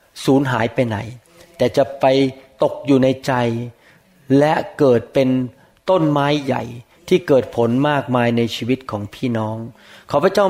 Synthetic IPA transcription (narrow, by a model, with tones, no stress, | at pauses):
suː˩˦nɦaː˩˦jpa˧jna̰˨˩˦j | t̪ɛː˨˩t͡ɕa˨˩ʔpa˧jt̪o˨˩k̚juː˨˩na˧jt͡ɕa˧j | lɛ˦˥kɤː˨˩t̪̚pe˧n | t̪o˥˩nmaː˦˥jːa̰˨˩j | t̪ʰiː˥˩kɤː˨˩t̪̚pʰo˩˦nmaː˥˩k̚maː˧jna˧jt͡ɕʰiː˧wi˦˥t̪̚kʰɔː˩˦ŋpʰiː˥˩nɔː˦˥ŋ | kʰaː˧˥˩pʰa˥˩t͡ɕa˥˩